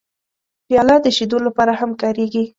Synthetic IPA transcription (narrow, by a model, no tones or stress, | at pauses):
pjɑlɑd̪əʃid̪olapɑɾahamkɑɾeɡi